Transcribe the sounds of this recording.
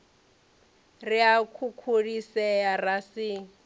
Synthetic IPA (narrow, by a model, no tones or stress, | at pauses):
riakʰukʰuɺisɛjarasi